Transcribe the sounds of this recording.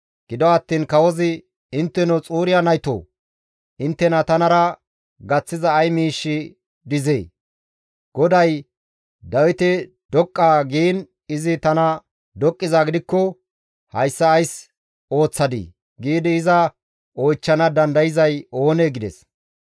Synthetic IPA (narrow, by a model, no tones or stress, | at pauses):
ɡ̥ɪd̪ɔɐt̪ːiːnkɐwɔzɪ | ɪnt̪ːɛnɔt͡sʼuːɾɪjanɐjt̪o̰ː | ʔɪnt̪ːɛnɐt̪ɐnɐɾɐ | ɡɐt͡sːɪzɐːjmiːʃːɪ | d̪ɪzeː | ɡ̥ɔd̪ɐj | d̪ɐwɪt̪ɪ | d̪̥ɔkʼːaːɡiːn | ɪzɪt̪ɐnɐ | d̪ɔkʼːɪzaːɡɪd̪ɪkːɔ | hɐjsːɐːjs | o̞ːt͡sːɐd̪ḭː | ɡiːd̪ɪːzɐ | ojt͡ʃːɐnɐd̪ɐnd̪ɐjɪzɐjo̞ːneːɡɪd̪ɛ̰s